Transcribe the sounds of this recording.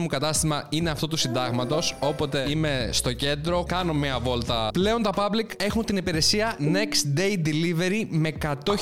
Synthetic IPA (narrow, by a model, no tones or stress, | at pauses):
mukɐt̪ɐst̪imɐineɐft̪o̞t̪usind̪ɐɣmɐt̪o̞so̞po̞t̪e̞ime̞st̪o̞ce̞nd̪ɾo̞kɐno̞miɐvo̞lt̪ɐple̞o̞nt̪ɐpɐblike̞xunt̪inipiɾe̞siɐne̞kst̪d̪e̞jd̪ilive̞ɾime̞kɐt̪o̞